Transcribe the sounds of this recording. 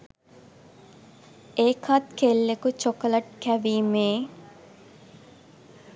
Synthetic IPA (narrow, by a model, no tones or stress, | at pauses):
eːkʰat̪kelːekut͡ʃokɐlɐʈ̚kæʋiːmeː